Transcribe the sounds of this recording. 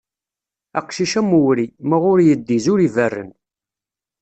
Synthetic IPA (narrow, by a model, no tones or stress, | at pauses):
æqʃiʃæmuwɾimæʁʊɾjəd̪ːizʊɾivərːə̰n